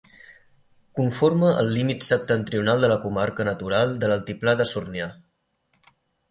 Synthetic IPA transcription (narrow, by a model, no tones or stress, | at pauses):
kuɱfoɾməʔə̰lˠːimit̪səp̚t̪ənt̪ɾiunalˠd̪ələkumaɾkənət̪uɾalˠd̪ələlˠt̪iplaðəsurnia